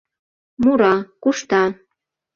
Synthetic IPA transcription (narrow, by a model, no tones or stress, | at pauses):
muɾɑkuʃt̪ɑ